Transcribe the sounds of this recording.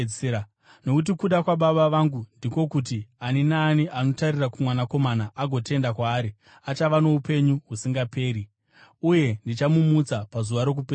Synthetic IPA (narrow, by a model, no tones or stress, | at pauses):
no̞kut̬ikuɗakwaɓaɓaʋaŋɡundiko̞kut̬ianinaːniʔano̞tarirakumwanako̞manaʔaɡʱo̞te̞ndakwaːɾi | at͡ʃaʋano̞upe̞ɲuɦusiŋɡape̞ːɾi | uje̞ndit͡ʃamumud͡zapazuʋaɾo̞k̬upe